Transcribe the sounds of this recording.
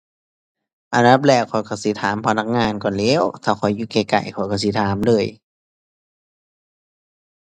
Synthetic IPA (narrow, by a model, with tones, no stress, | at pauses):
ʔa˧˩nda˧p̬̚lɛː˧˩wkʰɔ˨˩jka˧˩si˧˦t̪ʰaː˨˦mpʰa˧na˧k̚ŋaː˧˥˨nkɔː˨˩˨nlɛː˧˥˨wt̪ʰaː˧˩xʰɔ˨˩juː˧˦kɛː˧˩ka̰˨˩jkʰɔ˨˩jka˧˩s̬i˧˦˩t̪ʰaː˨˦mlɤː˧˩˨j